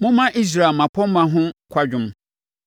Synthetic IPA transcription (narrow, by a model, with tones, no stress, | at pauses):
mʊ̃˦mã˦ʔi˦s̬ɾa˨mã˨pʰɔ̃˦m˦mã˨ɦʊ̃˦kʰʷa˦d͡ʑᶣʊ̃˦m